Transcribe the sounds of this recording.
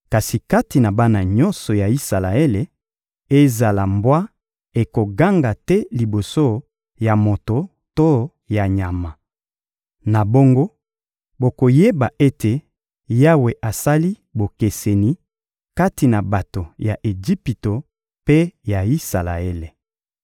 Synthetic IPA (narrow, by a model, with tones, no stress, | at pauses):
ka˨si˨ka˦ti˨na˨ba˦na˨ɲɔ˦nsɔ˨ja˨i˦sa˨la˨e˦le˨ | e˦za˨la˨mbwa˦ | e˨ko˨ɡa˦ŋɡa˨tɛ˦li˨bo˨so˦ | ja˨mo˨to˨ | to˦ | ja˨ɲa˨ma˨ | na˨bo˦ŋɡo˦ | bo˨ko˨je˦ba˨ʔe˦te˨ | ja˦we˨ʔa˨sa˦li˦ | bo˨ke˨se˨ni˨ | ka˦ti˨na˨ba˨to˨ja˨ʔe˨d͡ʒi˦pi˨to˨ | pe˦ja˨i˦sa˨la̰˨e˦le˨